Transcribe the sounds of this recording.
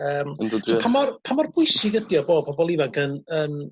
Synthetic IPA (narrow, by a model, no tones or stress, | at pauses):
əːmənədpʰamɔrpʰamɔrbʊjsiɡədjɔboːd̚pʰɔbɔlˠivaŋkʰənən